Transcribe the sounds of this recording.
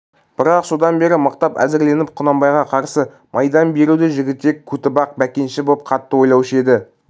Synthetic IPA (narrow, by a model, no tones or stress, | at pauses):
b̥ɪɾɑqso̞d̪ɑnbe̞ɾɪməqt̪ɑpæ̰zɪɾle̞nɪp̚qʰʊnɑmbɑjʁɑqʰɑɾsə | mʔɑjd̪ɑnbe̞ɾud̪ɪʒɪɡʲɪt̪ːe̞kʰut̪ɪbɑq̚bækʲe̞nʃɪbop̚qʰɑt̪ːəwo̞jlˠɑwʃe̞d̪ɪ